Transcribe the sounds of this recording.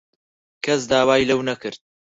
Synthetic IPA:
kʰɐsd̪aːwaːjlɐwnɐkɨɾd̪̚

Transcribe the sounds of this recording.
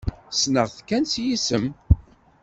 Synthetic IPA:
snəʁθkːænsjisəm

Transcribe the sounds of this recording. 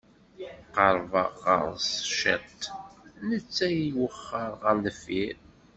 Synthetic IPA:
qɑɾˤvɑʁə̰ɾˤsʃət̪nət͡sːæjiwəχːəɾˤʁəɾnəfiɾ

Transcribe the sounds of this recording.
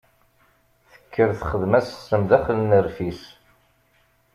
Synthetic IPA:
θə̥kʰːəɾθχəðmæsə̥sːəmðæχlənəɾfis

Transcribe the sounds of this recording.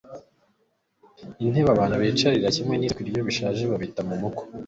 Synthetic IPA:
in̥he̞βaβaːnhuβit͡ʃaɾiɾacimŋeniːkiɾjoβiʃaːʒeβaβitamumuko̥

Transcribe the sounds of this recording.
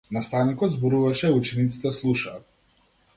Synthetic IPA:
nast̪avnikɔd̪zbɔɾuvaʃɛut͡ʃɛnit̪si̥t̪ɛslˠuʃaːt̪̚

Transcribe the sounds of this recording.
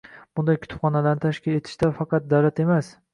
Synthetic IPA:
b̥ʊnd̪ajkʰʊt̪ʊ̥pχɒnalaɾnɪt̪ʰaʃkʲɪle̞t̪ʰɪ̥ʃt̪afɑqɑt̪̚d̪awlat̪e̞mas

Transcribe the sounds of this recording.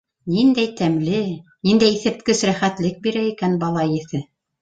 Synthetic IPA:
nind̪æjt̪æmlɘnind̪æjiθɘ̆p̚t̪kɘsɾæχæt̪lɘk̚biɾæikænbɑlˠɑjɘ̆θɘ

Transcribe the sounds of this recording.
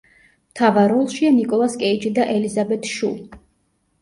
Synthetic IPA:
mt̪ʰavaɾɔlˠʃianikʼɔlˠaskʼɛid͡ʒʼid̪aʔɛlizabɛt̪ʰʃṵlˠ

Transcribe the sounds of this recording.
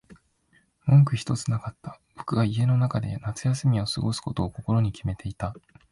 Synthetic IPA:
mõ̞ŋkɯ̟çi̥t̪o̞t͡sɨnakat̪ːab̥o̞kɯ̟ɡaie̞no̞nakad̪e̞̰nat͡sɨjasɨmʲiosɨɡo̞sɨ̥ko̞t̪o̞ːko̞ko̞ɾo̞ɲ̟ikʲime̞t̪ʰe̞it̪a

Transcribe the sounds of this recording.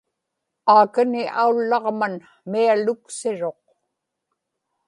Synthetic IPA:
aːkanɪʔaulːɑʁman | mialʊksɪɻo̞q

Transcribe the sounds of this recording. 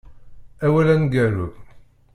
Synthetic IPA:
æwælænɡæɾuð

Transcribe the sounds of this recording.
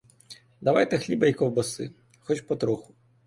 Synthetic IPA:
d̪ɐʋajt̪ɛxlʲibɐjkɔwbɔsɨ̰ | xɔt͡ʃpɔt̪ɾɔxʊ̥

